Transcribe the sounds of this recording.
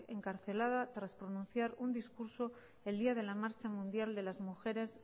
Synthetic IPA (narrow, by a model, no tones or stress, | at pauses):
ḛŋkaɾθe̞lað̞at̪ɾaspɾonũn̟θjaɾund̪iskuɾso̞ | e̞ld̪iað̞e̞lamaɾt͡ʃamũnd̪jald̪e̞lazmuxe̞ɾe̞s